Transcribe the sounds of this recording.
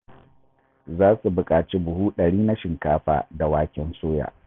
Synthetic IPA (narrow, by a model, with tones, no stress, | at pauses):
zaː˦su˨bʊ˨kʼaː˨t͡ʃeː˦bʊ˨huː˦ɗɐ˨ɽiː˦na˦ʃɪ˨ŋkaː˦ɸa̰ː˨da˨waː˦kʲɪ˦nsoː˦ja̰ː˨